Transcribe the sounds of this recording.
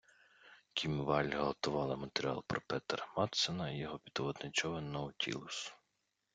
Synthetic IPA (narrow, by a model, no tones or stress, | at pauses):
kʰʲimʋɑlʲɦɔlɔt̪ʊʋɑlˠɐmɐt̪eɾʲiɑ̰lˠpɾɔpɛt̪rmɑt̪senɐijɔɦɔpʲid̪ɔʋɔd̪nɪt͡ʃɔʋɪnɔʊtʲʰḭlˠʊs